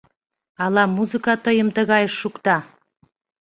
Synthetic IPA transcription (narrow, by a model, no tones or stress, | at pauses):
ɑlɑmuzɨkɑt̪əjəmt̪əɣɑjəʃːukt̪ɑ